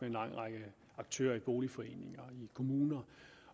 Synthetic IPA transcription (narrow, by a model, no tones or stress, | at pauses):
eenlɑ̈ŋ̰ʁɑ̈ɡ̥ə | ɑ̈ɡ̥t͡sʰø̰ːɐib̥o̝ːlifɒ̽e̝̰ːne̝ŋɐikʰo̝muːnɐ